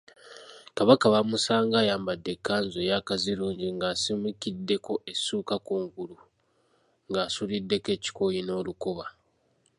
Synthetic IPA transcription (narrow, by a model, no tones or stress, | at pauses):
kaβakaβamusaːŋɡaːjaːmbadːe̞kːaːnzojakaziɾuːɲɟiŋɡaːsimikidːe̞ko̞ʔesuːkakuːŋɡulu | ŋɡaːsulidːe̞ke̞ci̥kojino̞ːlukoβa